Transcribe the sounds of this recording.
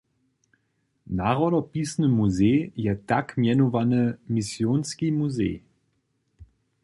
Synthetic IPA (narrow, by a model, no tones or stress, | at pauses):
naʁɔdɔpisnəmuzeːjɛtakmjɛnovanəmisjoːnskimuzḛː